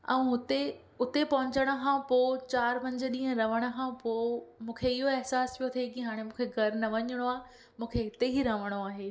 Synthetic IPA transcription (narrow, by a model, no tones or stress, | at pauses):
ɛ̰̃ʊt̪e | ʊt̪epɐɦʊ̃ɲt͡ɕəɽ̃ə̆kʰãpoːt͡ɕaːɾmɐ̃ɲd͡ʑəɗĩːɦə̃ɾɐʋ̤əɽ̃ə̆kʰãpoːmũːkʰeɪɦoɛɦsaːspʰijot̪ʰiekiɦaːɽ̃emũːkʰeɡʱɐɾnɐʋɐɲəɽ̃oaː | mũːkʰeɪt̪eɦiɾɐʋ̤əɽ̃oaːɦeː